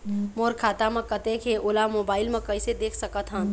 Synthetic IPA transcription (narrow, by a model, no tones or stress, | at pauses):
moɾkʰaːt̪amẽkət̪ekʰeʔolamoːbaːɪlmẽkəɪsed̪eːkʰsəkət̪ɦə̃